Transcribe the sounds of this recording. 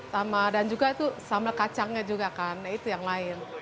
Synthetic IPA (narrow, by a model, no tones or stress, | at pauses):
samadand͡ʒuɡat̪usamakat͡ʃaŋɲad͡ʒuɡakanait̪ujaŋlaɪn